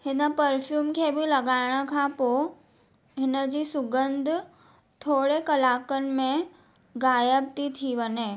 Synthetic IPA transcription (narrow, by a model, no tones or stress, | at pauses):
hɪnə̆pɐɾfjuːmkʰeːbɪlɐɡaːɪɽ̃ə̆kʰãpo | ɦɪnəd͡ʑiːsʊɡə̃nd̪ʱʊ | t̪ʰoːɽekɐlaːkənɪ̆mẽ | ɡaːjəb̚t̪it̪ʰiʋəɲeː